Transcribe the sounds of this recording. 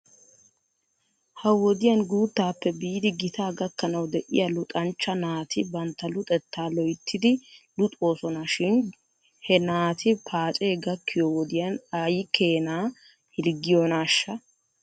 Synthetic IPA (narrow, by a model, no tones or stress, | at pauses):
hɐwɔd̪ɪjɐnɡuːt̪ːaːpːɛbiːd̪ɪɡɪt̪aːɡɐkːɐnɐwd̪ɛʔɪ̰jɐlʊt̪ʼɐnt͡ʃːɐnaːt̪ʰɪbɐnt̪ːɐlʊt̪ʼɛt̪ːaːlɔjt̪ːɪd̪ɪlʊt̪ʼo̞ːsɔnɐʃɪn | hɛnaːt̪ʰɪpʰaːt͡ʃʼe̞ːɡɐkːɪjɔwɔd̪ɪjɐnajɪkʰe̞ːnaː | hɪlɡɪjɔnaːʃːɐ